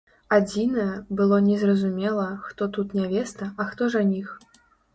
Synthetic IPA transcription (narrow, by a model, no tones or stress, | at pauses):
ad͡zʲinɐjɛbɨlˠɔnʲɛzrɐzumʲɛlˠɐxt̪ɔt̪ut̪nʲavʲɛst̪ɐɐxt̪ɔʐanʲix